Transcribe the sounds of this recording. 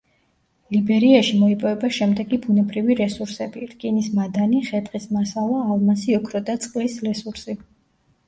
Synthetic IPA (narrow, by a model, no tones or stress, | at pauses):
libɛɾiaʃimɔipʼɔvɛbaʃɛmd̪ɛɡibunɛbɾiviɾɛsuɾsɛbiɾkʼinismad̪aniχɛd̪ʼχʼismasalˠaːlˠmasiɔkʰɾɔd̪at̪sʼqʼlisɾɛsuɾsi